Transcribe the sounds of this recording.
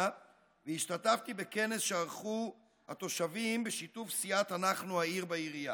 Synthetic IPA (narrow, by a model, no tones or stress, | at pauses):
veiʃt̪at̪aft̪ibe̞ke̞ne̞sʃeaʁχu | hat̪o̞ʃavimbeʃit̪ufsiat̪anaχnuhaiʁbaiʁija